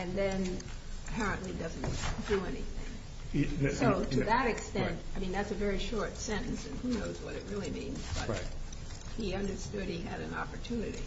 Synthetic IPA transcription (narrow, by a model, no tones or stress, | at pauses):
ɨ̃nðɨ̃n | əpʰɛɹɨ̃nʔlidʌzn̩d̥ɨɛnḭθɪ̰̃ŋ | soʊtʰɨðəɾɨkstɛ̃ntaɪmĩnðætsɨvɛɹiʃɔɹtsɛ̃ñn̩sɨ̰̃nhunoʊzwʌɾɨt̚ɹɪlˠimḭ̃nzb̥ʌ̰ɪt | hiʌ̃ndə˞stʊd̚hiɨɾɨ̰̃nɑ̰pə˞tʰʉ̃nɨɾḭ